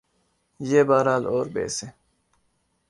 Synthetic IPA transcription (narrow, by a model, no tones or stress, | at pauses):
jeːbaːɾaːloːɾbḛːse